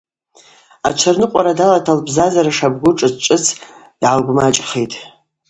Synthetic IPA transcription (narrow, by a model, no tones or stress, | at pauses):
a̰t͡ʃʷʰarnɨqʷʼaɾadalatʰalbzazaɾaʂabɡʷʊʈ͡ʂʼɨzt͡ʃʷʼɨt͡sʰ | d̥ʕalɡʷmat͡ʃʼχejtʼ